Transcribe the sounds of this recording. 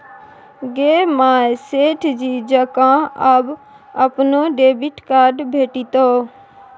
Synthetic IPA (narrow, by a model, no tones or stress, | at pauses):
ɡeːmaːeseːʈʰd͡ʒiːd͡ʒəkãːəb | əpnõːɖeːbɪʈkaːɾɖbʱeːʈiːt̪oː